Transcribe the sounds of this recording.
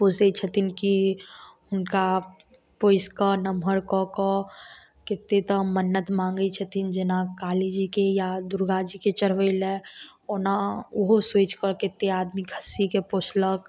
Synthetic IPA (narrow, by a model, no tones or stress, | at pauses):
posəit͡ʃʰət̪inki | ʊnka | poːɪskənəmɦəɾkɔkɔ | kɪt̪ːet̪ə̃mənːət̪mãːŋɡəit͡ʃʰət̪ʰind͡ʒenakaːled͡ʒikejad̪ʊɾɡad͡ʒiket͡ʃəɽ̤ʋəilɛɔnaʊɦoseːt͡ʃkəɾkɪt̪ːeaːd̪mikʰəsikepoːslək